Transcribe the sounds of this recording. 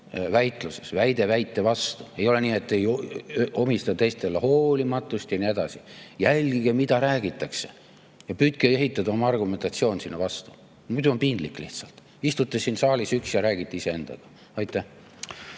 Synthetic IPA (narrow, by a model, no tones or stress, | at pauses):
væjt̪ˑlusesvæjd̪̥e̞væjt̪ːˑe̞vɑst̪ue̞jo̞le̞niːe̞t̪ːe̞j | o̞mist̪ɑt̪e̞jst̪e̞leho̞ːlimɑt̪ːˑust̪jɑnie̞d̪̥ɑsijælʲɡ̥iɡ̥emid̪̥ɑɾæːɡ̥it̪ːˑɑkse̞̥ | jɑpyːt̪̚keeɦit̪ːˑɑd̪ɑo̞mɑɑrɡume̞nt̪ˑɑt̪sio̞ːnsinːɑvɑst̪u̥ | mud̪̥uo̞npind̪̥likːˑliht̪sɑlt̪ | ist̪ut̪ːˑesinsɑːlʲisyksjɑɾæːɡ̥it̪ːˑeise̞e̞nd̪̥ɑ̰ɡ̥ɑ | ɑjt̪ːˑe